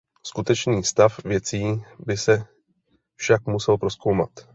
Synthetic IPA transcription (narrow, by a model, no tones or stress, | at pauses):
skut̪ɛt͡ʃniːst̪afvjɛt͡siːbɪsɛ | fʃakmusɛlpɾo̞sko̞wmat̪